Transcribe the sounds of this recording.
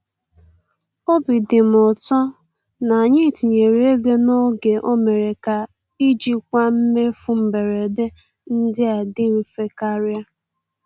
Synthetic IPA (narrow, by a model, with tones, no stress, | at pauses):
o˦bi˨dɪ˨m̩˨ʊ˨tɔ˦ | na˨a˨ɲɪ˦˨ti˨ɲe˨ɾe˨˦e˦ɡe˦no˦ɡe˨ʔo˦me˨ɾe˨ka˨ | i˦d͡ʒi˦kʷa˦m̩˦me˦fu˦m̩˨be˨ɾe˨de˦ | n̩˦dɪ˦a˨dɪ˦ɾi˨fe˦ka˦ɾja˦